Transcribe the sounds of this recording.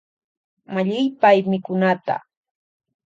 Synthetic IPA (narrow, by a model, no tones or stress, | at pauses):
maʎɪjpajmɪkʊnat̪a̰